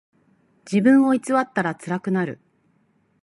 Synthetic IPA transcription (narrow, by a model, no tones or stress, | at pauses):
d͡ʑibɯ̟̃ɰ̃o̞it͡sɨβat̪ːaɾat͡sɨɾakɯ̟naɾɯ̟̰